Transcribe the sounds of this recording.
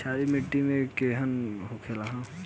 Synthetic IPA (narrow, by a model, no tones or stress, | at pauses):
t͡ʃʰaːɾimɪʈːimẽkeɦənɦokʰelaɦã